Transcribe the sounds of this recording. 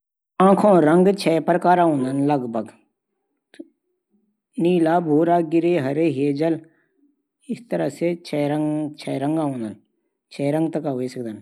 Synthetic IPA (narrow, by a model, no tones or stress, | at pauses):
ãːkʰõːɾəŋɡt͡ʃʰɛːpɾkaːɾaːɦũːnd̪ənləɡbʱəɡ | niːlaːbʱoːɾaːɡɪɾeːɦəɾeːɦeːd͡ʒəl | ɪst̪əɾəseːt͡ʃʰɛːɾət͡ʃʰɛːɾəŋɡaːũːnd̪əl | t͡ʃʰɛːɾə̃ŋɡ̚t̪əkaːɦoiːsəkd̪ən